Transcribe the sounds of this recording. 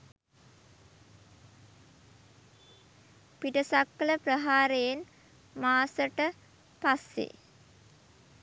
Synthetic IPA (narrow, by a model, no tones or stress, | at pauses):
piʈəsakːələprəɦaːɾejen | maːsəʈə | pasːḛ